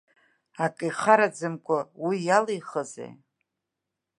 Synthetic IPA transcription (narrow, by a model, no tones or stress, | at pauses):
akʼijχaɾad͡zɨmkʷʼawijalejχəzḛj